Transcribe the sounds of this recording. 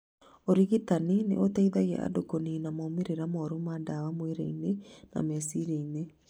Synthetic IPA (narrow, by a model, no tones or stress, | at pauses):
oɾiɣitaninḛʔotaiðaɣɛ̰ʔa̰dokoninamoːmeɾeɾamɔɾumadawamweɾḛinena̰mɛsiɾeine